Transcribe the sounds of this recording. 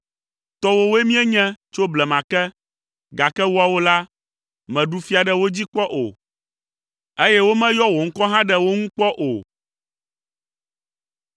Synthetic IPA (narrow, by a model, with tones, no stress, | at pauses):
t̪ɔ˦wo˦wo˦e˦mĩ˦ɛ˦ɲɛ̃˦t͡ʃo˦blɛ˨mã˨kɛ˦ | ɡa˨kɛ˦wo˦a˨wo˦la˦ | mɛ̃˨ɖu˨fi˦a˨ɖɛ˨wo˦d͡ʑi˦k͡pɔ˦ʔo̰˨ | e˦jɛ˦wo˦mɛ̃˦jɔ˦wo˨ŋ̩˦kɔ˦ɦã˦ɖɛ˨wo˦ŋũ˦k͡pɔ˦ʔo̰˨